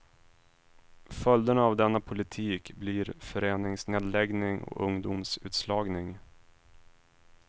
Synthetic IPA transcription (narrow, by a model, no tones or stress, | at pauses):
fœld̪ənaavd̪ɛnːapʰʊlɪt̪ʰiːkbliɾfœɾeːnɪŋsneːd̪lɛɡnɪŋɔ̰ɵŋd̪ʊmsʉ̟ːt̪slɑːɡnɪŋ